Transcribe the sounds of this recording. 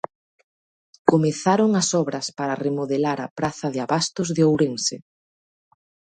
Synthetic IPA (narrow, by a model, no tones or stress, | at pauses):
komeθaɾoŋɐsɔβɾɐspaɾɐremoðelaɾɐpɾaθɐðɪaβast̪ʊzðeowɾeŋse